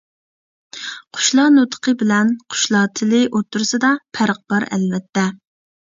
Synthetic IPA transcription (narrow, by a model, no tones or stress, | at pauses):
qʰʊ̥ʃlˠɑnot̪ʰə̥qʰəbɪlɛnqʰʊ̥ʃlˠɑːt̪ʰɪlɪʔot̪ʰːuɾsɨd̪ɑpʰæɾəq̚b̥ɑɾɛ̰lvɛt̪ʰːɛ